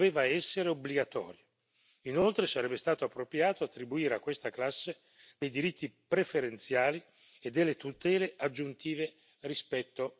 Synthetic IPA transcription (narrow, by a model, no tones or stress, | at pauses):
veːvaɛsːeɾeobliɡat̪ɔ̰ːɾjo | inolt̪ɾesaɾɛbːest̪aːt̪oapːɾopɾjaːt̪oat̪ːɾibuiːɾeakːwest̪aklasːe | d̪̥ejd̪iɾit̪ʰːipɾefeɾent̪sjaːli | ed̪ːelːet̪ut̪ɛːlead͡ʒːunt̪iːve | rispɛt̪ːo